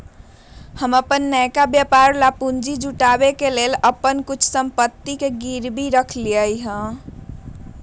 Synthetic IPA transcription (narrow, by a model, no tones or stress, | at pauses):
həməpənːəjkabjəpaɾlapund͡ʒid͡ʒuʈabekeleləpənkut͡ʃʰsəmpət̪ːikeɡiɾbʱiɾəkʰliəjɦə̃